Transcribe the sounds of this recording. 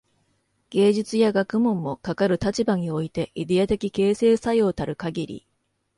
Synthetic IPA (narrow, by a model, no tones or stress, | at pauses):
ɡ̥e̞ːʑit͡sɨjaɡakɯ̟mõ̞mːo̞kakaɾɯ̟t̪at͡ɕibaɲ̟io̞it̪e̞ʔid̪e̞at̪e̞kʲike̞ːse̞ːsaijot̪aɾɯ̟kaɡʲiɾʲḭ